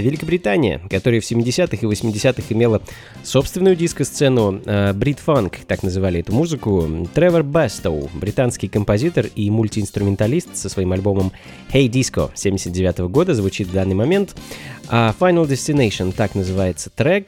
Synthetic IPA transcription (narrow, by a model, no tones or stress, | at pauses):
vʲɪlʲɪkəbɾʲɪt̪anʲɪjə̰kɐt̪o̞ɾəjəfsʲɪmʲːɪdʲɪsʲat̪ɨxɨvəsʲmʲɪdʲɪsʲat̪ɨxɪmʲe̞lˠə | so̞pst̪vʲɪnʊjʊdʲiskəst̪sɛnʊəbɾʲit̪fankt̪aknəzɨvalʲɪɛt̪ʊmuzɨkʊt̪ɾɛvʲərbɛst̪oʊbɾʲɪt̪anskʲɪjkəmpɐzʲit̪ərimʊlʲtʲɪɪnst̪ɾʊmʲɪnt̪ɐlʲist̪səsvɐimɐlʲbo̞məm | xʲejdʲisko̰sʲemʲdʲɪsʲət̪dʲɪvʲat̪əvəɡo̞d̪əzvʊt͡ɕit̪vd̪anːɨjmɐmʲe̞nt̪afajnəlˠdʲɪsʲtʲɪnejʂənt̪aknəzɨvajɪt̪sə̥t̪ɾɛk̚